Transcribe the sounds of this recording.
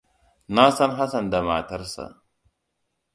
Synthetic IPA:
na˦sɐ˦nɦa˦sɐ˨nda˨ma˨tɐ˦ɾsa̰˨

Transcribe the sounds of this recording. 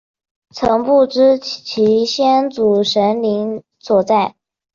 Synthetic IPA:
t͡sʰɤ˧˥ŋpu˥˩ʈ͡ʂɻ̩˥t͡ɕʰi˧˥ɕjɛ˥nt͡su˨˩ʂə˧˥nli˧˥ŋ | swɔ˨˩t͡sa˥˩ɪ

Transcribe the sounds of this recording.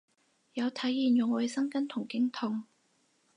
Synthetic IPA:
jɐ˨˧wt̪ʰɐ˨˥jːiː˨njʊ˨ŋɔwjsɐ˥ŋkɐ˥nt̪ʰʊ˨˩ŋkɪ˥ŋt̪ʰʊ˨˩ŋ

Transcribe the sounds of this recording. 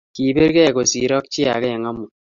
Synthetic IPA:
ki˨be˦ɾke˦˨ko˨si˨ɾɔ˦k̚t͡ʃi˦a̰˨kɛ˦jɪ˨ŋa˦mu˨

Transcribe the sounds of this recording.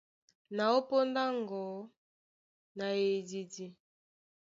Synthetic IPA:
na˨o˦po˦nda˦ŋɡɔ˨˦ | na˨e˨di˨di˨

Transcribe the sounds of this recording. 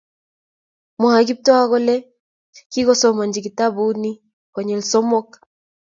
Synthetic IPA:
mɔ˨ha˨ɡi˦p̚tɔ˦a˦ɣɔ˦lɛ˦ | ki˦ɣɔ˦sɔ˨˦ma˨nd͡ʒi˨ɡi˨ta˦bu˦ni˦ | kɔ˨ɲɛ˨lsɔ˦mɔ˦k

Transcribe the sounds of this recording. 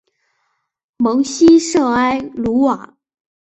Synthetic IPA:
mɤ˧˥ŋɕi˥ʂɤ˥˩a˥ɪlu˧˥wa˨˩˦

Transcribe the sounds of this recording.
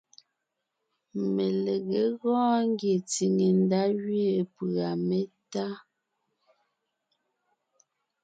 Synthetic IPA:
me˨le˨ɣe˨˦ɣɔ̃ː˦ŋ˦ɡje˨t͡si˨ŋe˨n˦da˦ɣɥe˨pɰa˨me˦ta˦

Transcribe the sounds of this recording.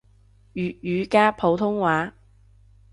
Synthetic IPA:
jyː˨t̚jyː˨˧kaː˥pʰo˨˧wt̪ʰʊ˥ŋwaː˨˥

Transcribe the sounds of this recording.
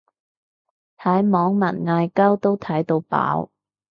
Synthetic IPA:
h̪ʰɐ˨˥jmɔː˨˥ŋmɐ˨˩nŋaː˧jkɐ˥wt̪o˥wt̪ʰɐ˨˥jt̪o˧wpa̰ː˨˥w

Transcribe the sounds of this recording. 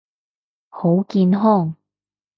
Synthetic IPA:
ho˨˥wkiː˧nɦɔː˥˩ŋ

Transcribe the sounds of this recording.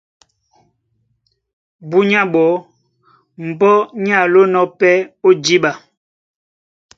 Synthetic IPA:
bu˦ɲa˦ɓɔ˨˦ | m̩˨bɔ˦ɲ˦a˦˨lo˦nɔ˦pɛ˦o˦d͡ʒi˦ɓa˨

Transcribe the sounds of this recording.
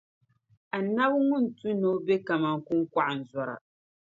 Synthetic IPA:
a˨na˦bŋʊ˦n̩˨tu˦no˦be˦ka˨ma˨ŋ˦ku˦ŋ˦kʷa˦ʔa˨n̩˨zɔ˨ɾa̰˨

